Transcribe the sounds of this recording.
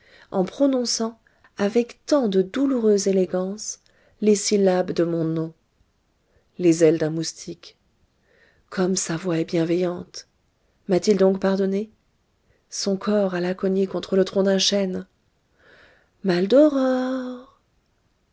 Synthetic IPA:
ɑ̃pχɔnɔ̃sɑ̃ | avɛkt̪ɑ̃d̪əd̪uluʁøzeleɡɑ̃s | lesilabd̪əmɔ̃nɔ̃ | lezɛld̪ɛ̃must̪ʰik | kɔmsavwaɛbjɛ̃vɛjɑ̃t̪ | mat̪ild̪ɔ̃kpaʁd̪ɔne | sɔ̃kʰɔʁalakɔɲekɔ̃t̪χələt̪χɔ̃d̪ɛ̃ʃɛn | mald̪ɔʁɔʁ

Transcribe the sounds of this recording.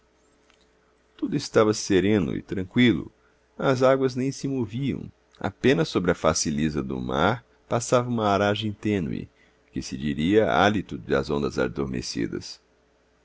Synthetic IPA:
t̪ud̪ʊɪst̪avɐseɾẽnʊ̰ɪ̰t̪ɾɐ̃ŋkwilʊ̰ | ɐzaɡwɐznẽj̃sɪmoviɐ̰̃w̃ | a̰pẽnɐsːobɾɪɐfasilizɐd̪ʊ̰ma̰ɾ | pasavɐũmɐaɾaʒẽj̃t̪ẽnwɪ̰ | kɪsɪd͡ʒiɾiɐa̰lit̪ʊd͡ʒɪɐ̰zõnd̪ɐza̰d̪oɾmḛsḭd̪ɐ̰s

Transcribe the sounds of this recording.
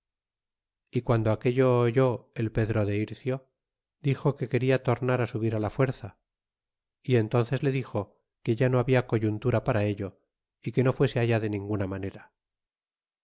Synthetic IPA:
ikwand̪oake̞ʎo̞ːʝo̞e̞lpe̞ðɾo̞ðe̞iɾθjo̞ | d̪ixo̞ke̞ke̞ɾiat̪o̞ɾnaɾasuβiɾalafwe̞ɾθa | ie̞nt̪o̞nθe̞zle̞ðixo̞ | ke̞ʝano̞aβiako̞ʝunt̪uɾapaɾae̞ʎo̞ | ike̞no̞fwe̞se̞aʝaðe̞nĩŋɡunamane̞ɾa

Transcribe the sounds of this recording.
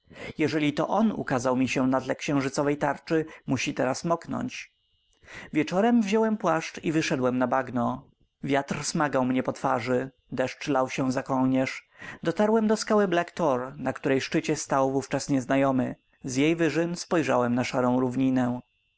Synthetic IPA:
jɛʐɛlʲit̪ɔ̰ʔɔnṵkazawmʲiɕɛnad̪lɛkɕɛ̃w̃ʐɘt̪sɔvɛjt̪aɾt͡ʂɘmuɕit̪ɛɾasmɔknɔ̰ɲt͡ɕ | vʲjɛt͡ʂɔɾɛmvʑɔwɛmpwaʂt͡ʂivɘʂɛd̪wɛmnabaɡnɔ | vʲjat̪rsmaɡawmɲɛpɔt̪faʐɘ | d̪ɛʂt͡ʂlawɕɛzakɔlɲɛʂd̪ɔt̪aɾwɛmd̪ɔskawɘblakt̪ɔɾnakt̪uɾɛjʂt͡ʂɘt͡ɕɛst̪awvuft͡ʂasɲɛznajɔmɘ | zjejvɘʐɘmspɔjʐawɛmnaʂaɾɔ̃w̃ɾuvɲinɛ

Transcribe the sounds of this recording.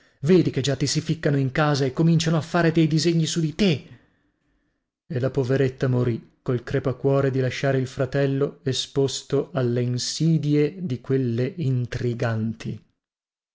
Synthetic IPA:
veːd̪iked͡ʒat̪ːisifikːanoiŋkaːzaekːomint͡ʃanoafːaːɾed̪ejd̪izeɲːisud̪it̪e | elapoveɾet̪ːamoɾikolkɾepakːwɔːɾed̪ilaʃːaːɾeilfɾat̪ɛlːoespost̪oʔalːeinsiːd̪jed̪ikwelːeint̪ɾiɡant̪ʰi

